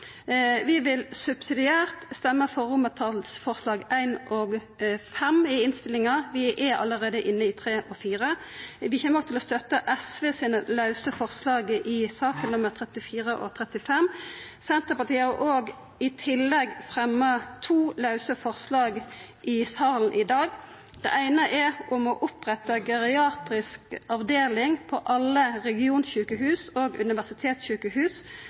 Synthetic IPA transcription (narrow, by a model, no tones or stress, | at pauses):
ʋɪʋɪlsʉbsɪd̪ɪæːʁt̪st̪ɛmːəfɔʁʊmət̪ʰɑlsfɔʁslɑːɡæɪnʔɔɡ | fɛmɪɪnst̪ɪlɪŋɑʋɪʔæɑ̰lːəʁeːd̪əʔɪnːəɪt̪ʰʁeːʔɔfiːʁə | ʋɪçɛːməʁɔt̪ʰɪlɔst̪œt̪ːəʔɛsʋeːsiːnəlɑʉsəfɔʁslɑːɡʔɪsɑːfɪlnɔmɛt̪ʰʁɛt̪ːɪfiːʁəʔɔ̰t̪ʰʁɛt̪ɪfɛm | sɛnt̪əpɑʁt̪ʰiːɑʁʔoːɡ | ɪt̪ʰɪlːɛɡfʁɛmːət̪ʰuːlɑʉsəfɔʁslɑːɡʔɪsɑːln̩ʔɪd̪ɑːɡ | d̪̥ɛ̰ʔæɪnəʔɛʊmɔʔʊpʁɛt̪ɑɡɛɾɪɑːt̪ɾɪskɑʋd̪eːlɪŋpʰɔʔɑlːəʁɛɡɪuːnçʉːkəɦʉːsoːɡʉ̰nɪʋæʁsɪt̪ʰeːt̪sɕʉːkəhʉːs